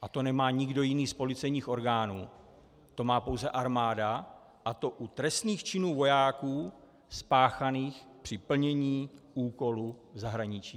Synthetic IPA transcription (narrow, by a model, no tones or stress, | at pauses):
ʔat̪o̞nɛmaːɲɪɡdo̞jɪniːspo̞lɪt͡sɛjɲiːxo̞ɾɡaːnṵː | t̪o̞maːpo̞wzɛʔaɾmaːda | ʔat̪o̞ʔut̪ɾɛst̪niːxt͡ʃɪnuːvo̞jaːkuː | spaːxaniːxpr̝̥ɪpl̩ɲɛɲiːʔuːko̞luzaɦɾaɲɪt͡ʃiː